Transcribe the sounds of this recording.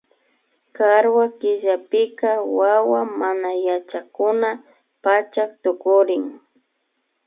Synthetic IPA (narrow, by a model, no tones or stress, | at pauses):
kaɾwakɪʒapɪkawawamanajat͡ʃakʊna | pat͡ʃak̚t̪ʊkʊɾɪŋ